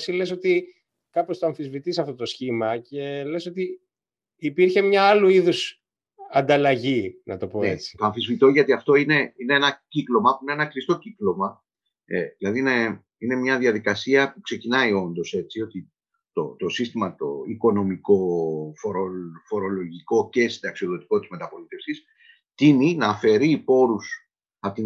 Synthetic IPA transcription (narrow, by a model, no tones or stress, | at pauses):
sile̞so̞t̪i | kɐpo̞st̪oɐɱfizvit̪isɐft̪o̞t̪o̞sçimɐce̞le̞so̞t̪iː | piɾçe̞mɲɐɐluiðus | ɐnd̪ɐlɐʝinɐt̪o̞po̞et͡si̥t̪oɐɱfizvit̪oʝɐt̪iɐft̪o̞ine̞ine̞enɐciklo̞mɐpuineenɐkɾist̪o̞ciklo̞mɐ | eðilɐðiine̞ | ine̞mɲɐðjɐðikɐsiɐpukse̞cinɐio̞nd̪o̞se̞t͡sio̞t̪i | t̪o̞t̪o̞sist̪imɐt̪o̞̰iko̞no̞miko̞fo̞ɾofo̞ɾo̞lo̞ʝiko̞ce̞sid̪ɐksio̞ðo̞t̪i̥ko̞t̪izme̞t̪ɐpo̞lit̪e̞fsis | t̪ininɐːfe̞ɾipo̞ɾus | ɐt̪i